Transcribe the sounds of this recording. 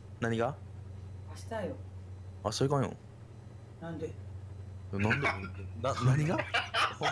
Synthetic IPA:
naɲ̟iɡa | ɕi̥t̪ajoasoikãjõ̰ | nãnd̪e | onãnd̪enãnaɲ̟iɡa

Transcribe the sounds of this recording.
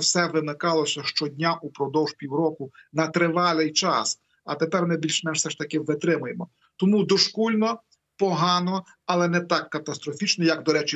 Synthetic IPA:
wsɛʋɪnɪkɑlˠɔsʲɐʃt͡ʃɔdʲnʲaʔupɾɔd̪ɔwʒ̥pʲiwɾɔkʊnɐt̪ɾɪʋɑlʲˠɪjt͡ʃɑs | ɐt̪epɛrmɪbʲilʲʃmɛʃsɛʃt̪ɐkɪʋɪt̪ɾɪmʊjemɔ | t̪ɔmud̪ɔʃkulʲnɔ | pɔɦɑnɔ | ɐlˠɛnɛt̪ɑkːɐt̪ɐst̪ɾɔfʲit͡ʃnɔjɐɡd̪ɔɾɛt͡ʃɪ

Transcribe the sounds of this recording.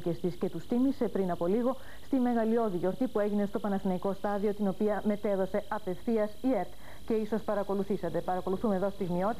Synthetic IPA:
ce̞st̪isce̞t̪ust̪imise̞pɾinɐpo̞liɣo̞ | st̪ime̞ɣɐlio̞ðiʝo̞ɾt̪ipue̞ʝine̞st̪o̞pɐnɐθinɐiko̞st̪ɐðio̞t̪ino̞piɐme̞t̪e̞ðo̞se̞ɐpe̞fθiɐsieɾt̪ | ce̞iso̞spɐɾɐko̞luθisɐt̪e̞pɐɾɐko̞luθumeðo̞st̪iɣmio̞t̪i

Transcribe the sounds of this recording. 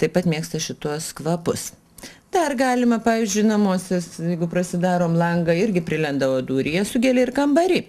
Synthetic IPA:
t̪ɐɪpɐt̪mʲiɛkst̪ɐʃʲɪt̪uɔskʋɐpʊs | d̪ɐrɡɑːlʲɪmɐpɑːʋʲiːzʲd͡ʒʲʊɪnɐmuɔsʲɛsjɛɪɡʊpɾɐsʲɪd̪ɑːɾoːmlˠɐŋɡɐɪɾʲɡʲɪpʲɾʲɪlʲɛnd̪ɐʋoːd̪uːɾʲɪjɛsʊɡʲɛlʲɛɪrkɐmbɐɾʲɪ

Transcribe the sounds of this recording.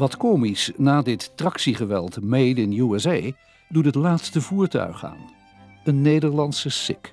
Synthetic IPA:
ʋɑtkomisnaːdɪtːrɑksiχəʋɛ̰lˠtmejdɪnjuəzej | dutɦətlaːtstəvuːɹtœ̰ɥχa̰ːn | ənːejdəɹlɑntsəsɪ̰k

